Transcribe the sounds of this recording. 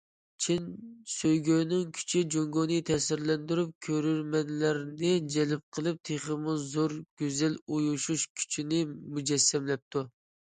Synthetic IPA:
t͡ʃʰinsøjɡʲønɪŋkʲʰy̥t͡ʃʰid͡ʒoŋɡonɨt̪ʰɛsɪɾlɛnd̪yɾyp̚kʲʰøɾyɾmɛnlæɾnɪd͡ʒɛlɪp̚qʰəlˠɨp̚t̪ʰeχəmʊzoɾɡ̥ʲøzɛlujuʃuʃkʲʰy̥t͡ʃʰinɪmud͡ʒɛsːɛmlɛp̚t̪ʰu

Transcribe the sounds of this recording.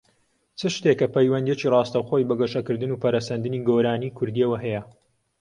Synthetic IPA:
t͡sʰɨʃt̪ekːɐpʰɐjwɐnd̪jet͡ʃiːrɑːst̪ɐwxoːjbɐɡɐʃɐkɨɾd̪ɨnuːpʰɐɾɐsɐnd̪ɨniːɡoɾaːniːkʰʊɾd̪iɐwɐɦɛjɐ

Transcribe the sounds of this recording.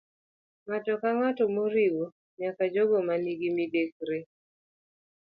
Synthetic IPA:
ŋatɔkaŋatɔmoɾiwo | ɲakad͡ʒoɡɔmaniɡimidek̚ɾe

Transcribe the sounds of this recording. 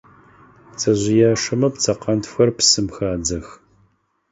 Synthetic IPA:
t͡sʰɐʑʷɪjaːʂɐmɐpt͡sʰɐqɐntxʷɐrpsɨmxaːd͡zɐx

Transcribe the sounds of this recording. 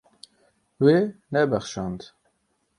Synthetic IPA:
wenɛbɛχʃɑnd̪

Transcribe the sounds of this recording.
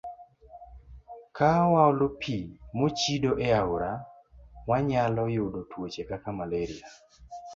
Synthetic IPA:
kawawlopʰimot͡ʃidoʔɛaɾa | waɲalɔjʊdotʰwot͡ʃekakamaleɾia

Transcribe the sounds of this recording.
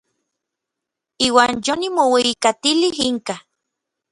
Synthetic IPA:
iːwaːnjonimoweikat̪iliɦiŋka

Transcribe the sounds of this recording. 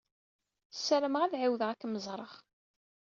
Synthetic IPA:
sːæɾəməʁæðʕiwðəʁækːməzˤɾˤəʁ

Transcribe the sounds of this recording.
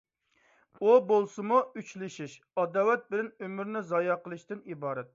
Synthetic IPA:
ubolˠsɨmuyt͡ʃlɪʃiʃ | ɑd̪ɑːwɛt̪̚bɪlɪnømyɾnɪzɑjɑqəlˠɨʃt̪ɪnibɑːɾɛt̪̚

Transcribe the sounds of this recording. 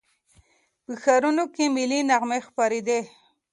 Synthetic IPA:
pəxaɾunokemilinaɣmexpaɾed̪e

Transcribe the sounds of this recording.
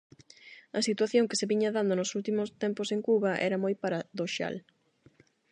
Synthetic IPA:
ɐsit̪waθjoŋkeseβiɲɐðand̪onosult̪imʊst̪ɛmpʊseŋkuβɐʔɛ̰ɾɐmojpaɾaðoʃa̰l

